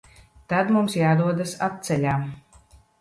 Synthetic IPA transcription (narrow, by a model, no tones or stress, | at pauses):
t̪ad̪mumsjaːd̪uɔd̪asap̚t̪sɛlʲaːm